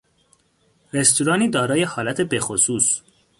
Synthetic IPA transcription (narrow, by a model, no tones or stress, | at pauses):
ɾe̞st̪ʰuɾɒːniːd̪ɒːɾɒːje̞hɒːlæt̪ʰe̞bexosuːs